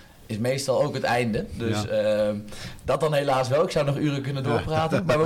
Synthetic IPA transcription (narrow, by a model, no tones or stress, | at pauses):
ɪsmejstɑlˠowkɦətɛjndədøs | dɑt̚dɑnɦejlaːsʋɛlˠɪksʌwnɔχyːrəkɵnəndʊːɹpraːtənmaːɹʋə